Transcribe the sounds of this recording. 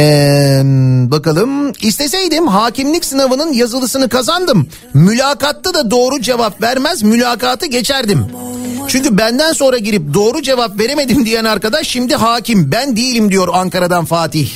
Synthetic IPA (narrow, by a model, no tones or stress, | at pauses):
ɛ | bakalˠɯmist̪ʰe̞s̬e̞jd̪imɦaːcimlʲicsɯnavɯnɯnjazɯlˠɯsɯnɯkazand̪ɯmː | ylʲaːkat̪ːad̪ad̪o̞ːɾud͡ʒe̞vapvæɾmæzmylʲaːkaːt̪ʰɯɟe̞t͡ʃʰæɾd̪imt͡ʃʰyɲcybænd̪ænso̞nɾaɟiɾip̚d̪o̞ːɾud͡ʒe̞vapve̞ɾe̞me̞d̪imd̪ijænaɾkad̪aʃːimd̪iɦaːcimbænd̪ijilʲimd̪ijo̞ɾaŋkaɾad̪anfaːt̪ʰiç